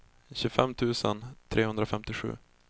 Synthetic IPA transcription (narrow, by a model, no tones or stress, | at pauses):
ɕʉːfɛmt̪ʰʉ̟ːsə̰nt̪ʰɾʔeːɵnd̪ɾafɛmt̪ɪɧʉ̟̰ː